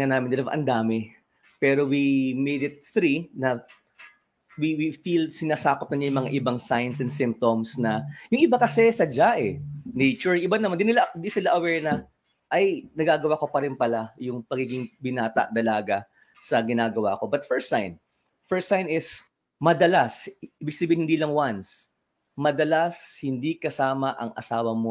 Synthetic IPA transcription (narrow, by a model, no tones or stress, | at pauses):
ŋɐnaːmɪnd̪ɪlɐwʔɐ̰nd̪aːmɪ | pɛːɾo̞wimejd̪ɪt̪̚θɾinɐ | wiwifilsɪnaːsaːkop̚nɐɲajʊŋmɐŋa̰ʔɪbaŋsajnsɛnsɪmp̚t̪omsnɐjʊŋʔɪbakɐsɛsɐd͡ʒaʔɛnejt͡ʃʊɹŋʔɪbanːɐmand̪ɪnɪland̪isɪlaʔɐwɛɹnɐ | ʔɐjnɐɡaːɡɐwako̞pɐɾɪnpɐlajʊŋpɐɡiːɡɪŋbɪnaːt̪ɐ̰ʔd̪ɐlaːɡɐ | sɐɡɪnaːɡɐwa̰ːko̞bɐt̪fɛɹst̪sajn | fɛɹst̪ːajnɪs | mɐd̪ɐlasɪbɪɡksɐbiːhɪnɪnd̪iːlɐŋwans | mɐd̪ɐlashɪnd̪ikɐsaːmɐʔɐŋʔɐ̰saːwɐmo